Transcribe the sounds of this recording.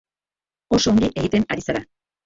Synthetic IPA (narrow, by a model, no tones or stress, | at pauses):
o̞so̞ːŋɡiʔe̞ɣit̪e̞naɾisaɾa